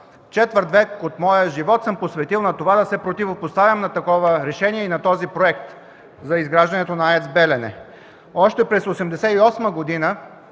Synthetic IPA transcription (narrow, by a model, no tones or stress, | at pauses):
t͡ʃɛt̪vəɾt̪vɛkot̪mɔjəʒivɔt̪səmposvɛt̪ilˠnɐt̪ovad̪ɐsɛpɾot̪ivopost̪avʲjəmnɐt̪ɐkɔvəɾɛʃɛniɛinɐt̪ɔzipɾoɛkt̪ | zɐizɡɾaʒd̪ɐnɛt̪onɐaɛt̪sbɛlɛnɛ̰ | ɔʃt̪ɛpɾɛsosɛmd̪ɛsɛiɔsməɡod̪inə